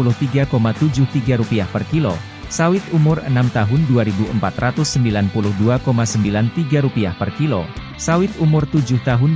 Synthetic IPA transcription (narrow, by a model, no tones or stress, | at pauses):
ulʊht̪iɡakomat̪ud͡ʒʊht̪iɡaɾupiahpərkilo̰ | sawɪt̪umʊrə̰namt̪aɦʊnduaɾibuəmpat̪rat̪ʊsːəmbilanpulʊhduakomasəmbilant̪iɡaɾupiahpərkilo | sawɪt̪̚umʊrt̪ud͡ʒʊht̪aɦʊn